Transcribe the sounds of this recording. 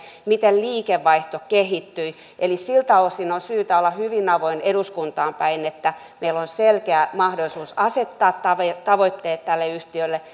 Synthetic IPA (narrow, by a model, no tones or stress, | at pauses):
mit̪elliːkeʋːɑiht̪okehit̪ːyi | ʔelissilt̪ɑlosinonsyːt̪æolːɑhyʋinɑʋoineɾuskunt̪ɑːmpæinet̪ːæ | meilːonselkeæmɑhdolisuːsɑset̪ːɑːt̪t̪ɑʋet̪ɑʋot̪ːeːt̪t̪ælːeyht̪iølːe